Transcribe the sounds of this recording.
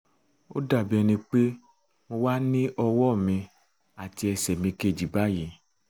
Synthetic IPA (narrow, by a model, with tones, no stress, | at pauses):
o̰˦da˦˨bi˦ɛ˧nĩ˧k͡pe˦ | mo˧wa˦nĩ˦ʔɔ˧wɔ˦˨mĩ˧ | a˨ti˧ɛ˧sɛ˨mĩ˧ke˧˨d͡ʒi˨ba˦ji˨